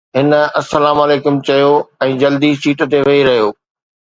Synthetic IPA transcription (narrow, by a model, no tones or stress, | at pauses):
ɦɪnɐsɐlaːmaːleːkʊmt͡ɕɐjoɛ̃ːd͡ʑɐld̪isiːʈt̪eʋɐiɾɐɦijoː